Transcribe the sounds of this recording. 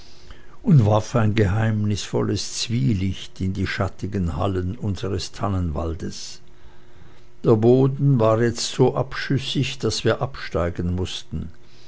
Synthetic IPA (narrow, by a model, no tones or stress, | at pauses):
ʔʊntvaɐfaɪnɡəɦaɪmnɪsfɔ̰ləst͡sv̥iːlɪçtɪndiːʃatɪɡənha̰lənʔʊnzəʁəstʰanənva̰ldəs | d̥eːɐboːdn̩vaːɐjɛt͡stz̥oːʔapʃʏsɪçd̥asv̥iːɐʔapʃtaɪɡn̩mʊstn̩